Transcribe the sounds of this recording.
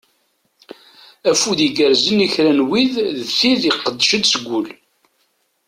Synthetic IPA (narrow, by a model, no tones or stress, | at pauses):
æfuðiɡəɾzəniçɾænwiððθiðiqːəd̪ːʃəd̪səɡʷːʊl